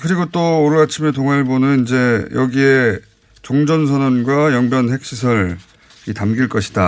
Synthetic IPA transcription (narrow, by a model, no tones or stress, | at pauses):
kɯɾiɡot͈oːɾɯat͡ɕʰimet̬oŋaɭbonɯnind͡ʑe̞jʌɡie | t͡ɕoŋd͡ʑʌnsʰʌnʌnɡwajʌŋbjʌnɦe̞k̚ɕ͈ʰisʰʌɾ | itamɡiɭk͈ʌɕʰi̥da